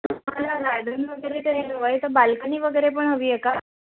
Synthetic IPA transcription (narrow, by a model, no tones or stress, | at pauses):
t̪əm̤alaɾad̪ʱəniʋəɡəjɾet̪əɦẽɦəʋajt̪əbalkəniːʋəɡəjɾep̬əɳɦəʋiːjeka